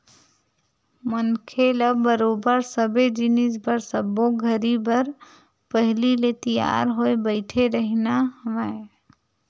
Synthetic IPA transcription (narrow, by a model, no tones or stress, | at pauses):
mənkʰeləbəɾobəɾsəbed͡ʒinisbəɾsəbːoɡʱəɾibəɾ | pəɦlilet̪ija̰ɾɦoebəɪʈʰeɾəɦnaɦmae